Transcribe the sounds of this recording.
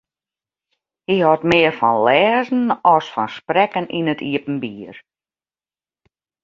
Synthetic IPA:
hihɔtmɪərfɔnlɛːzn̩ɔsfɔnsprɛkəninətʰiəpn̩biːər

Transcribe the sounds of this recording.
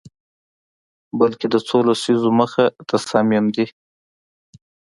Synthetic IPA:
balked̪ət͡solasizoməxat̪ʰasɑmɪmd̪i

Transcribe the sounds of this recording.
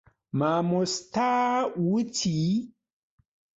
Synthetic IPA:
mamostawutʰi

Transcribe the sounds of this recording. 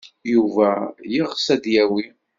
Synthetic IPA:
juvæjiʁsæd̪jæwi

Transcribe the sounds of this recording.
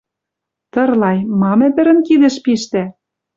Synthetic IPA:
t̪ɤ̆rlɑjmɑmɘ̆pɘ̆ɾɘ̆nkid̪ɘ̆ʃpiʃt̪æ

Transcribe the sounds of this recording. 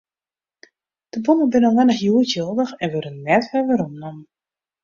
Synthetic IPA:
d̥əbunənbɪnənʋɛnəxjuːətjolˠdəxɛnʋøɾənnɛtʋɛʋɪɾɔmnɔmə

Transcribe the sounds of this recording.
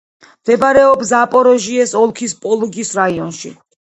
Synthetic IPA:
md̪ɛbaɾɛɔbsapʼɔɾɔʒiɛsɔlˠkʰispʼɔlˠuɡisɾaiɔnʃḭ

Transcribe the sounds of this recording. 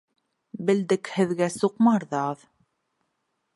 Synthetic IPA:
bɘ̆ld̪ɘkhɘ̆ðɡæsuqmɑɾðɑð

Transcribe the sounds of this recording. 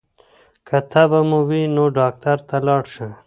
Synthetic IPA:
kɐt̪ʰabɐmuwinoɖɑːk̚t̪ɐɾt̪alɑːɽʂə

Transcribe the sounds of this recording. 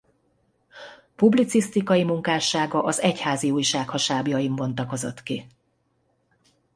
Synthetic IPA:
publit̪sist̪ikɒjimuŋkaːʃaːɡɒʔɒzɛchaːziuːjʃaːkhɒʃaːbjɒjiɱvo̞nt̪ɒko̞zo̞̰t̪ki

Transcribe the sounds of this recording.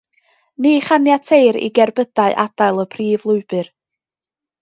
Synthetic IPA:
niːχanjatʰeɨɾḭɡɛrbəd̥aɨʔad̥aɨlˠəpʰriːvlˠʊɨb̥ɨr

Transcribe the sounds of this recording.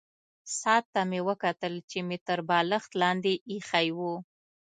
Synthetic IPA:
sɑt̪ːamewəkat̪əlt͡ʃemet̪əɾbɑləxt̪lɑnd̪eʔixajwu

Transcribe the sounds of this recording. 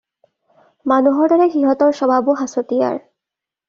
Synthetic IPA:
manuɦɔɹdɔɹɛxiɦɔtɔɹsɔbʱabuɦasotija̰ɹ

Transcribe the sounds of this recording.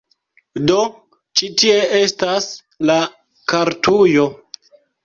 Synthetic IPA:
do̞ | t͡ʃitie̞e̞stas | la | kaɾtʰujo̞

